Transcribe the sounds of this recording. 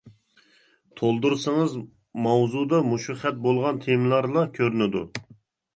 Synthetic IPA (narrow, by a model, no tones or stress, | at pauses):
t̪ʰolˠd̪uɾsɨŋɨz | mɑwzud̪ɑmuʃuχɛt̪̚bolˠʁɑnt̪ʰemlˠɑɾlˠɑkʲʰøɾynɪd̪ṵ